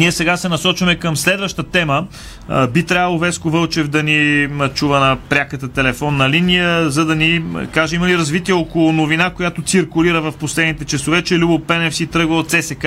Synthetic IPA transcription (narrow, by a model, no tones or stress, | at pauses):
niɛsɛɡasɛnɐsɔt͡ʃvɐmɛkəmslɛd̪vəʃt̪ət̪ɛmə | bit̪ɾʲavəlˠovɛskovɤlˠt͡ʃɛvd̪ɐnit͡ʃuvənɐpɾʲakət̪ət̪ɛlɛfɔnːɐlinijəzɐd̪ɐnḭkaʒɛiməliɾɐzvit̪iɛɔkolˠʊnovinakojat̪ot̪siɾkʊliɾəvɐfposlɛd̪nit̪ɛt͡ʃɛsovɛt͡ʃɛlʲubopɛnɛfsit̪ɾɤɡvət̪sɛsɛk